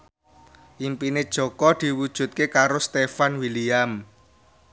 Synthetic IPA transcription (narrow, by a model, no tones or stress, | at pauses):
ʔimpined̥ʒ̥ɔ̤kɔd̪̥i̤wud̥ʒ̥ṳt̪̚kekaɾost̪efanwiliam